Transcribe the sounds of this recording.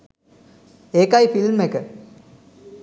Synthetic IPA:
eːkajfilmekə

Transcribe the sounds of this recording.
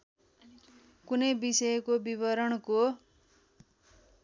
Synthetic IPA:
kunʌjbisʌjkobiβʌɾʌɽko

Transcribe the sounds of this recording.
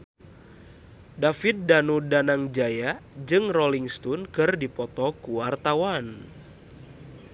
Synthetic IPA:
dafit̪̚danudanaŋd͡ʒajad͡ʒɨŋrɔliŋst̪ɔnkɨrdipɔt̪ɔkuwart̪awan

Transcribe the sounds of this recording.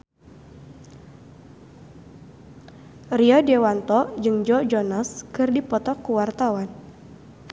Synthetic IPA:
riɔdewant̪ɔd͡ʒɨŋd͡ʒɔd͡ʒɔnaskɨrdipɔt̪ɔkːuwart̪awan

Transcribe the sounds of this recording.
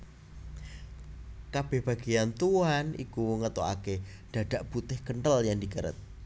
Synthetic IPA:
kab̥ɛ̤hb̥ä̤ɡejant̪uanʔḭkuŋət̪oa̰ke | ɖ̥a̤ɖ̥a̤ʔb̥ut̪ɪhkəɳʈəljaŋdikəɾə̰t̪̚

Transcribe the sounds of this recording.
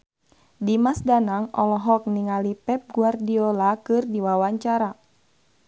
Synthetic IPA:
dimasdanaŋɔ̰lɔɦɔk̚niŋalipɛp̚ɡuardiɔlakɨrdiwawaɲt͡ʃaɾa

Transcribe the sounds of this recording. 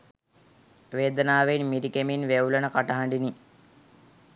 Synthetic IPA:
ʋeːd̪ənaːʋeinmiɾikeminʋewlənəkaʈɐɦaɳɖini

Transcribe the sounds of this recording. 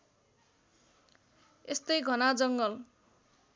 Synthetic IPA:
est̪ʌjɡʱʌnad͡zʌŋɡʌl

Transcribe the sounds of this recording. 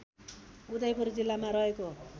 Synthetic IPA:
ud̪ʌjpurd͡zilːamaɾʌɦeko

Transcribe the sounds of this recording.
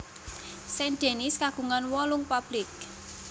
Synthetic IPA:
sɛnɖ̪̥e̤nɪskaɡ̥ṳŋanwɔlʊŋpab̥lɪk̚

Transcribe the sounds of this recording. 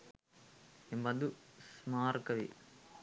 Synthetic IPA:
embɐd̪usmaːɾkɐʋḭ

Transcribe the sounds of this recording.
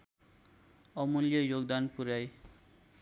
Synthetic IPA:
ɔmoljɔjoɡd̪anpuɾaj

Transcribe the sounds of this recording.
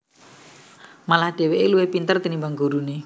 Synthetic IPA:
malahɖ̥e̤weʔeluwehpint̪ərt̪inimbaŋɡo̤ɾune

